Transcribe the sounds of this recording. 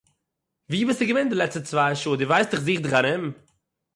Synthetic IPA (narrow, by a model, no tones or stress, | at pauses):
viːbɪstd̥uɡəvɛndəlɛt͡sstət͡svaɪʃuːdɪvaɪstdɪχziːχdɪχanɪm